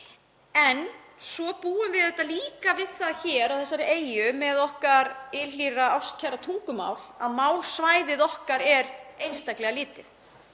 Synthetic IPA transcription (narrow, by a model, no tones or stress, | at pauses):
ɛnsɔpuːʏmvɪðɛht̪ːaliːkavɪð̥θaðçɛɾawθɛsːaɾeːjʏmɛðɔhkaɾɪliːraawst̪̚cʰaɾat̪ʰuŋkʏma̰ːwlaðmaːwlsvaːjðɪðɔhkaɾɛɾejnst̪ajklɛɣaliːt̪ɪ